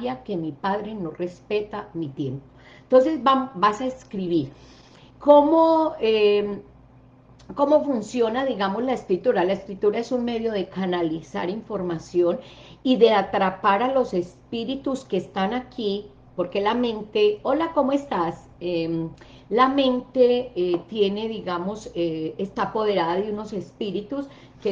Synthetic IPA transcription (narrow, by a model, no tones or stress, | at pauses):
jake̞mipaðɾe̞no̞re̞spe̞t̪amit̪jempo̥ | ent̪o̞nse̞zbabasaeskɾiβiɾ | ko̞moe | ko̞mo̞funsjo̞naðiɣamozlaeskɾit̪uɾalaeskɾit̪uɾae̞sunme̞ðjo̞ðe̞kanalisa̰ɾiɱfo̞ɾmasjo̞n | iðe̞at̪ɾapaɾalo̞se̞spiɾit̪uske̞st̪anakʰi | po̞ɾke̞lamẽ̞nt̪e̞olako̞moe̞st̪as | em | lame̞nt̪e̞t̪je̞ne̞ðiɣamo̞seest̪apo̞ð̞e̞ɾaðaðeuno̞se̞spiɾit̪us | ke